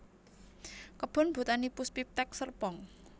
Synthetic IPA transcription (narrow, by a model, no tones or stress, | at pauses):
kəb̥ɔ̤nb̥ṳt̪anipuspip̚t̪ɛk̚sərpɔŋ